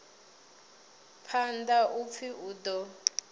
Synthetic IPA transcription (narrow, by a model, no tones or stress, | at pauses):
pʰandaʔup̪fʰiʔuːdɔ